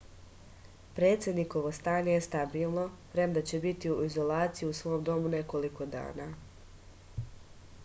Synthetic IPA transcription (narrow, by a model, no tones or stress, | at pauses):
pɾe̞ːt̪sje̞d̪niko̞ʋo̞st̪aːɲe̞jest̪abiːlˠno̞pɾemd̪at͡ɕe̞bit̪iuizo̞lˠaːt̪sijiusʋo̞ːmd̪o̞mune̞ko̞liko̞d̪a̰ːnaː